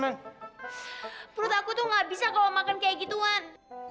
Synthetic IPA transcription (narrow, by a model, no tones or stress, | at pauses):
maŋ | pɾʊt̪akut̪ʊhŋɡabisakalamakankajaɡit̪uan